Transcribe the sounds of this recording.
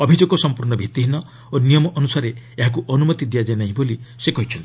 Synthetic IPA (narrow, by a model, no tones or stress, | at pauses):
ɔbʱid͡ʒoɡɔsɔmpuɾnɔbʱit̪iɦinɔ | onijɔmɔʔɔnusaɾeeɦak̬uʔɔnumɔt̪id̪ijad͡ʒanaɦĩbolisekɔɦit͡ʃʰɔnt̪i